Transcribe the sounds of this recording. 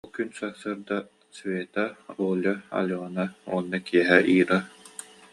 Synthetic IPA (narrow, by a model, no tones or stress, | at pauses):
ɔlˠkynsaχsaɾd̪a | svʲeːt̪aɾuːlʲaɐ̰lʲɔːnaṵɔnːakiɛɦɛʔiːɾa